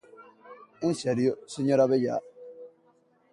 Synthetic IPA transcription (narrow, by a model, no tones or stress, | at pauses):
n̩sɛɾijosiɲɔɾabɛja̰